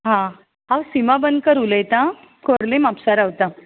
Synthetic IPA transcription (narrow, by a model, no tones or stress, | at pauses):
ɦã | awsimabənkəɾuləjt̪ã | koɽlemapsaɾaʋt̪ã